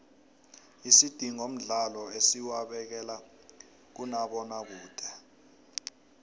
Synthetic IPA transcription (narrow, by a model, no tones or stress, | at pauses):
isid̥ʱiŋom̩ɮalɔesiwaɓɛk̬ɛla | k̬unaɓɔnak̬uːd̥ʱɛ